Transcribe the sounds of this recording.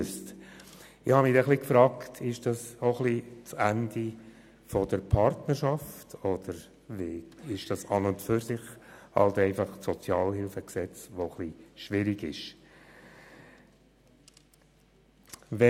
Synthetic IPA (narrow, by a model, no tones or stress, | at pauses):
st | ɪhɑmidɛχlikfɾɑːktʰɪʃd̥ɑsɔχlit͡sænd̪i | fɔdəɾpʰɑɾtnəɾʃɑftɔd̥̪əɾ | veːɪʃd̥ɑsɑnʊntfyɾsɪχhɑ̰ltɛɪfɑχsɔt͡sjɑːlhɪlfəksɛt͡sʋoχliʃʋɪɾiɡɪʃ | ʋɛ